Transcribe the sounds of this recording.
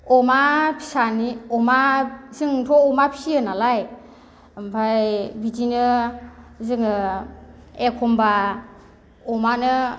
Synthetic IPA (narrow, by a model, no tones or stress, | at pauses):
ɔmapʰi̥saniɔmazɯŋtʰɔɔmapʰi̥siɯnalaj | bʱajbid͡ʒinɯ | zɯŋ | ekʰɔmba | ɔmanɯ